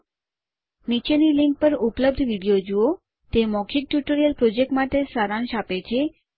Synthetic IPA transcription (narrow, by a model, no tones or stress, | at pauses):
nit͡ʃeniliŋk̚pəɾupləbd̪ʱʋiɽijod͡ʒuo | t̪emɔkʰik̚ʈjuʈoɾijəlpɾod͡ʒek̚ʈmaʈesaɾanʃapet͡ʃʰe